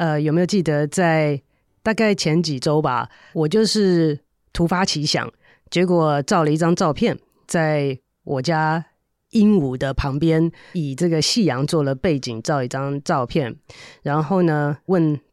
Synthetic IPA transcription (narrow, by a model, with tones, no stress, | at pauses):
ə˧jme˧˥jo˨˩t͡ɕi˥˩d̪ə˩˦t͡sa˥˧ɪ | t̪a˥˧ka˥˩ɪt͡ɕʰjɛ˧˥nt͡ɕi˨˩ʈ͡ʂo˥ʊba̰˨ | wɔ˨˩t͡ɕjo˥˧ʊʂɻ̩˥˩ | t̪ʰu˧˥fa˥t͡ɕʰi˧˥ɕjɑ̰˨˩˦ŋ | t͡ɕjɛ˧˥k̬wɔ˨˩ʈ͡ʂɑ˥˩ʊlə˨˧i˥˩ʈ͡ʂɑ˥ŋʈ͡ʂɑ˥˧ʊpʰjɛ˥˨n | t͡sa˥˩ɪ | wʔɔ˨˩t͡ɕja˥ | i˥nu˨˩d̪ə˦pʰɑ˧˥ŋpjɛ˥ni˨˩ʈ͡ʂɤ˥˩ɡə˩ɕi˥˩jɑ˧˥ŋt͡swɔ˥˩lə˩pe˥˩ɪt͡ɕi˨˩ŋʈ͡ʂɑ˥˧ʊi˥˩ʈ͡ʂɑ˥ŋʈ͡ʂɑ˥˧ʊpʰjɛ˥˩nɻa˧˥nxo˥˩ʊnə˩wə˥˩n